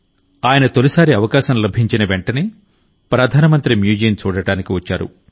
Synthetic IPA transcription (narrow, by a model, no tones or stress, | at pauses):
aːjɐnɐt̪olisaːɾiɐʋɐkaːʃɐmlɐbʱiɲt͡ʃinɐʋeɳʈɐni | pɾɐd̪ʱaːnɐmɐnt̪ɾimjuːd͡ʒijnt͡ʃuːɽɐɽaːnikiʋɐt͡ʃːa̰ːɾṵ